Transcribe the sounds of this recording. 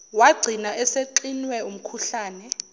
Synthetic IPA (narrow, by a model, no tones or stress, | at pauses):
waɡ͡ǀʱinaʔɛseǃinwɛum̩kʰuɬaːnɛ